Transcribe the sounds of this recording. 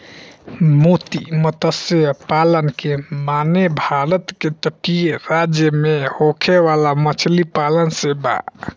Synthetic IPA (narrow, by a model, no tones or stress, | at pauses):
mot̪ḭmət̪əseəpalənkemanebʱaɾət̪ket̪əʈiɾad͡ʒjəmehokʰeʋalamət͡ʃʰlipalənseba̰